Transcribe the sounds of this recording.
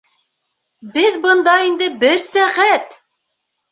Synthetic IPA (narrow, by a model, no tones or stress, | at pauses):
bɘðbɤ̆nd̪ɑind̪ɘbɘɾsæʁæt̪